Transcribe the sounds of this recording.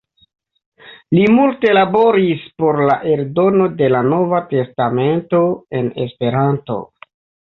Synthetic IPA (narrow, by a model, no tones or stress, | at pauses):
limulte̞labo̞ɾispo̞ɾlaʔe̞ɾdo̞no̞de̞lano̞vate̞stame̞nto̞e̞ne̞spe̞ɾanto̞̰